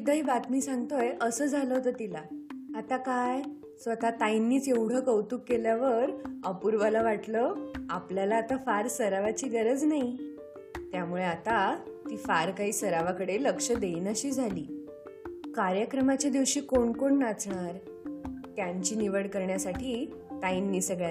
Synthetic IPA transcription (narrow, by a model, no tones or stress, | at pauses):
id̪əjbat̪miːsãŋɡt̪ojʔəsəːd͡zʱaləɦot̪ət̪ilaːt̪akaj | sʋət̪at̪ajnːiːt͡sewɽ̤əkəwt̪ukːeljaʋəɾəpuɾʋalaʋaʈləapljalaːt̪afaɾsəɾaʋat͡ɕiːɡəɾəd͡znai | t̪jamuɭeat̪at̪iːfaɾkaɦiːsəɾaʋakəɽeləkʂəd̪einəɕiːd͡zʱaliː | kaɾjəkɾəmat͡ɕjad̪iʋɕiːkoɳkoɳnat͡sɳaɾ | t̪jaɲt͡ɕiːniʋəɽkəɾɳjasaʈʰiː | t̪ainːiːsəɡɭja